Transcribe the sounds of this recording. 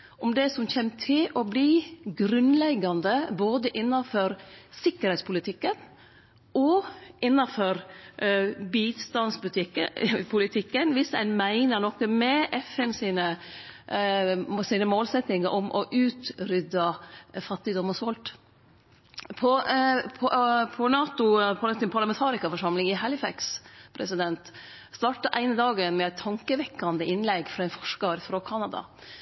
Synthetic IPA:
ʔɔmd̪ɛsɔmçɛmːt̪ʰɪlɔbliːɡɾʉnlɛɡɑnd̪əboːd̪əʔɪnːɑfɔɾsɪkːəɾhɛɪspʰʊlɪt̪ʰɪkːən | ɔʔɪnːɑfɔɾ | biːst̪ɑnsbʉt̪ʰɪkːəpʰʊlɪt̪ʰɪkːənʋɪsɛnmæɪnəɳɔkːəmɛʔɛfɛnsiːnə | siːnəmoːlsɛt̪nɪŋɑʔɔmʔɔʔʉːt̪ɾʏd̪ɑfɑt̪ːɪd̪ɔmːəsʋɔlt̪ | pʰɔpʰɔpʰɔnɑːt̪ʊpʰɔt̪ɪnpʰɑɾlɑmɛnt̪ʰɑːɾɪkɑfɔʂɑmlɪŋɪhɑlɪfæ̰kspʰɾɛsɪd̪ɛnt̪ | st̪ɑːʈɑʔæ̰ɪnəd̪ɑːɡənmɛæɪt̪ʰːɑŋkəʋɛkːɑnd̪əʔɪnlɛɡfɾɔæɪnfɔʂkɑɾfɾɔkʰɑnɑd̪ɑ̰

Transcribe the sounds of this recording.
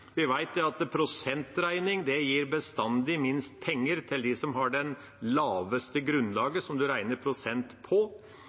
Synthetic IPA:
ʋɪʋæɪt̪̚d̪ɛɑt̪pʰɾʊsɛnt̪ɾæɪnɪŋd̪ɛjiːɾbəst̪ɑnd̪ɪmɪnst̪̚pʰɛŋːəɾt̪ʰɪld̪ɪsɔmɦɑɖɛn | lɑːʋəst̪əɡɾʉnlɑːɡəsɔmd̪ʉɾæɪnəɾpʰɾʊsɛnt̪pʰɔ

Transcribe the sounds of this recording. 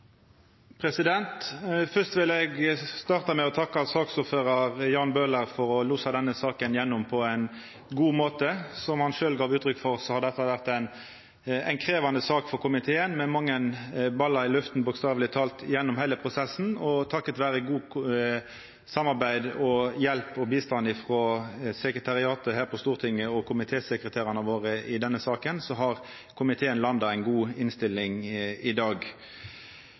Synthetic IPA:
pʰʁɛsɪd̪ɛnt̪fœst̪ʋɪlɛɡst̪ɑːʁt̪ɑmɛɔt̪ʰɑkːɑsɑːksuːføːʁɑʁjɑːnbøːləʁfɔɾɔlusɑd̪ɛnːəsɑːkənjɛnːʊmpʰɔæɪn | ɡuːmoːt̪əsɔmhɑnʃøːlɡɑːʋʉːt̪ɾʏkfɔʁsɔhɑd̪əd̪ɛt̪ːɑʋæʁt̪æɪn | ɛ̰ŋkʰɾeːʋɑnəsɑːkfɔʁkʰʊmɪt̪ʰeːənmɛmɑŋːənbɑlːɑɪlʉft̪n̩bʊkst̪ɑːʋlɪt̪ʰɑːlt̪jɛnːɔmhæɪləpʰʁʊsɛsn̩ɔt̪ʰɑkːət̪ʋæːʁəɡuː | sɑmːɑʁbæɪd̪ɔjɛlpɔbiːst̪ɑnɪfʁɔːsɛkɾət̪ʰɑʁɪɑːt̪əɦæːʁpʰɔst̪uːʁt̪ʰɪŋːəɔkʰʊmɪt̪ʰeːsəkɾət̪ʰeːʁɑnəʋoːʁəɪd̪ɛnːəsɑːkənsɔɦɑʁ | kʰʊmɪt̪ʰeːənlɑnd̪ɑæɪnɡuːɪnst̪ɪlːɪŋɪd̪ɑːɡ

